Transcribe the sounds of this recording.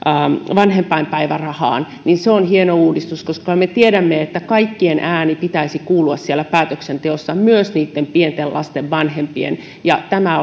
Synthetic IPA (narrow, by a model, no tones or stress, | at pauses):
ʋɑnhempɑimpæiʋærɑhɑ̰ːn | ninseonhienouːdist̪uskoskɑmet̪ieɾæmːeet̪ːækɑikːienʔæːnipit̪æisikuːluɑssielːˑæpæːt̪øksent̪eosːɑmyøsniːt̪ːempient̪elʔɑ̰st̪eʋʋɑnhempiḛn | jɑt̪æmæ